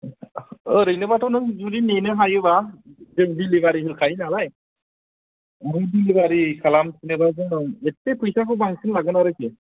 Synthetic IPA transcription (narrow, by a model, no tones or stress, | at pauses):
ɯɾɯjnɯbatʰɔnɯŋzuɾinenɯɦajɯbazɯŋbilibaɾiɦɯɾkʰajnalaj | mɯjbilibaɾikʰalamsʰinɯbazɯŋetːepʰɯjsakʰɯbaŋsɯnlaɡɯnaɾɯki